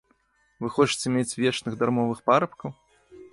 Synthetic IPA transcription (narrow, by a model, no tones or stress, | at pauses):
vɨxɔt͡ʂɨ̥t͡sʲɛmʲet͡sʲvʲet͡ʂnɨɣd̪armɔvɨxpaɾɐpkɐw